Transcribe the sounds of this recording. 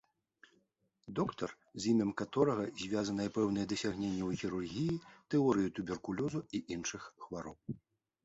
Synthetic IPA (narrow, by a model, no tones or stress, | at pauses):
d̪ɔkt̪ɐr | zʲimʲɐmkat̪ɔɾɐɣɐzʲvʲazɐnɐjɛpɛwnɐjɛd̪ɐsʲaɣnʲenʲːɛwɣʲiɾurɣʲijit̪ɛɔɾɨjut̪ubʲɛrkulʲɔzuiʔinʂɨxxvaɾɔ̰w